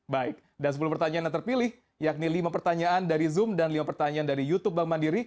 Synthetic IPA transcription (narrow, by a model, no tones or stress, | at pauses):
baɪk̚dansəp̬uluhpərt̪aɲaːnat̪ərpilɪh | jak̚nilimapərt̪aɲaːndaɾizʊmdanlimapərt̪aɲaːndaɾijut̪ʊp̚bamandiɾi